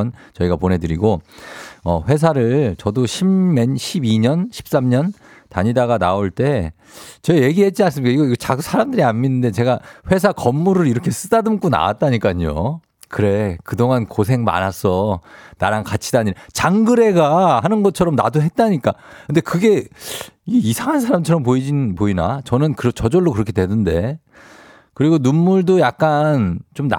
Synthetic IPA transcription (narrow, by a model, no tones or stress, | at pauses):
nt͡ɕʌiɡapone̞dɯɾiɡo | ʌ̰ɸwe̞s̬ʰaɾɯɭt͡ɕʌdoɕʰimːenɕʰibiɲʌnɕʰi̥p̚s͈amɲʌn | ta̰ɲidaɣanaoɭt͈e̞ | t͡ɕʌeje̞ɡiɦe̞t̚t͡ɕians̬͈ɯɭmikaiɡʌiɡʌt͡ɕasʰaɾamdɯɾianminːɯnde̞t͡ɕe̞ɡaɸwe̞s̬ʰakʌmːuɾɯɭiɾʌkʰe̞s͈ɯdadɯmk͈una̰wa̰t̚t͈aɲik͈aɲo̰ | kɯɾe̞kɯdoŋankos̬ʰe̞ŋma̰nasʰʌna̰ɾankat͡ɕʰidaɲinat͡ɕaŋɡɯɾe̞ɡahanɯnɡʌt͡ɕʰʌɾʌmna̰doɦe̞t̚t͈aɲik͈akʰɯnde̞kɯɡe̞iɡeisʰaŋɦansʰaɾamt͡ɕʰʌɾʌmp̬oid͡ʑipoina̰t͡ɕʌnɯnkɯɾʌt͡ɕʌd͡ʑʌɭːokɯɾʌkʰe̞dwe̞nɯnde̞ | kɯɾiɡonumːuɭdojak̚k͈ant͡ɕomna̰